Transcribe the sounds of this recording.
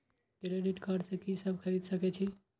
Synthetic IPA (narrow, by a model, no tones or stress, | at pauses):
ɡɾeɖiʈkaɖsẽkisəbʱkʰəɾid̪səkɛt͡ʃʰi